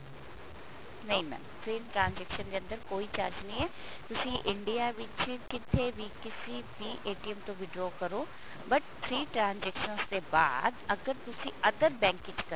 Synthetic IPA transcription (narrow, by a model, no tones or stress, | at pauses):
nɐɦĩmɛ̰ːmt̪ʰɾeːnʈɾãːnd͡ʒɛːkʃənd̪eɐ̃nd̪əɾkoːit͡ʃaːɾd͡ʒnəĩɛː | t̪ʊsĩʔɪɳɖijaʋɪt͡ʃkɪt̪ʰebʱikɪsipiːʔeːʈijəmt̪õʋɪɖokɐɾoː | bɐʈt̪ʰɾiːʈɾãːnzɛːkʃənst̪eba̰ːd̪ɐɡəɾt̪ʊsĩʔɐd̪əɾbɛ̃ːŋkɪ̃t͡ʃkɐɾ